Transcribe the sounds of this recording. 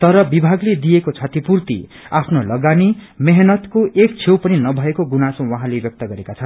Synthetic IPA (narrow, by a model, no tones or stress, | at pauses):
t̪ʌɾʌbibʱaɡled̪ijekot͡sʰʌt̪ipurt̪ḭ | apʰnolʌɡanimeɦnʌt̪koʔek̚t͡sʰewpʌninʌbʱʌekoɡunasõwʌɦãlebjʌk̚t̪ʌɡʌɾekat͡sʰʌn